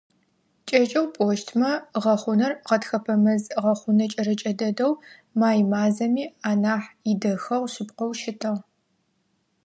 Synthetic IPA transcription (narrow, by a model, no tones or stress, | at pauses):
t͡ʃʼɐt͡ʃʼɐwpʼoːʃtʰmɐʁɐχʷʊnɐrqɐtxɐpʰɐmɐzʁɐχʷʊnɐt͡ʃʼɐɾɐt͡ʃʼɐdɐdɐw | maːjmaːzɐmiːaːnaːħɪdɐxɐʁʃɪpqɔwʃɪtʰɐʁ